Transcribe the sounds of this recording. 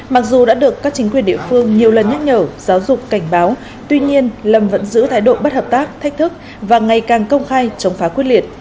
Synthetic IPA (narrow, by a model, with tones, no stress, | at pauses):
ma˨˩k̚zu˨˩ɗa̰ː˧˥ɗɨ˨˩əkːaː˦˥k̚t͡ɕï˨˦ŋ̟kwi˨˩ənɗḭ˧˨əfɨ˧əŋɲi˨˩əwlə˨˩nɲa˦˥t̚ɲəː˧˩zaː˨˦wzʊ˨˩k͡pka˧˩jŋ̟ɓaː˨˦w | t̪wi˧ɲi˧ənlə˨˩mvə̰˧˥nzɨ̰˧˥t̪ʰaː˨˦jɗo̰˧˨ɓə˦˥t̚həː˨˩p̚t̪aː˦˥k̚t̪ʰa˦˥k̚t̪ʰɨ˦˥k̚ | vaː˨˩ŋa˨˩jkaː˨˩ŋkə˧wŋ͡mxaː˧jt͡ɕə˨˦wŋ͡mfaː˨˦kwi˦˥ətli˨˩ət̚